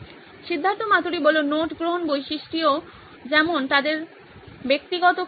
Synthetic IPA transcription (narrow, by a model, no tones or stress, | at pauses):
ʃid̪ʱːant̪omat̪uɾibɔlonoʈɡɾoɦonbojʃiʃʈio | d͡ʑɛmont̪ad̪eɾ | bek̚t̪iɡɔt̪o